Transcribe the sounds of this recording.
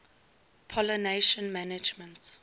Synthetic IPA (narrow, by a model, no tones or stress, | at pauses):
pʰɔləneʃə̃nmanɪd͡ʒmə̃nt